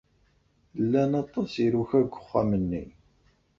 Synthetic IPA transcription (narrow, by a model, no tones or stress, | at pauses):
lːænɑt̪ˤːɑsiɾuçæɡʷːə̥χːamənːi